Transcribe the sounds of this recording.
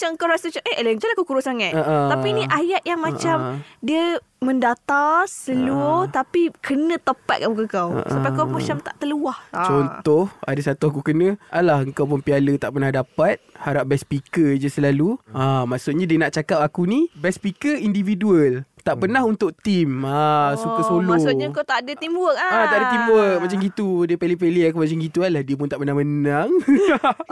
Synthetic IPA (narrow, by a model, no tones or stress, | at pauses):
at͡ʃaəŋkawɾasət͡ʃaʔəələnd͡ʒalakukuɾʊsaŋat̪aʔəapinĩʔajaʔ̪̚jaŋmat͡ʃamdiə | mə̃ndat̪asəluʊt̪apikʰənə̃t̪əpa̰t̪̚kaʔbukəkaw̰ʔsapakamat͡ʃamt̪a̰ʔt̪əluaht͡ʃɔnt̪ɔha̰dəsat̪uakukənə̃ʔalahəŋkawp̬ʊnpialət̪aʔpərnahdapat̪̚haɾap̚bɛspikəd͡ʒasəlaluamaʔsuʔ̚ɲãdiənaʔt͡ʃakap̚akunibɛspikəindividuəlt̪aʔpənaɦunt̪ʊʔ̚t̪imasukəsolosɲakawt̪aʔdət̪imbuəʔat̪aʔdat̪imbuəmat͡ʃamɡit̪udiəpelipeliak̬umat͡ʃamɡit̪ualahdiəpʊnt̪aʔpərnahmənaŋ